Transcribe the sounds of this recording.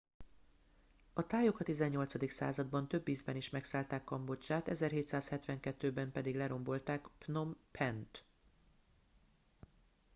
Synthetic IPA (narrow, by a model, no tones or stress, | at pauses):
ɒt̪aːjo̞kɒt̪izɛɲːo̞lt̪sɒd̪iksa̰ːzɒd̪bɒnt̪ø̞bːiːzbɛniʃmɛksaːlt̪aːkːɒmbo̞t͡ʃːaːt̪ɛzɛrɦeːt̪saːshɛt̪ʋɛŋkɛt̪ːøːbɛmpɛd̪iɡlɛɾo̞mbo̞lt̪aːkpno̞mpʰɛnt̪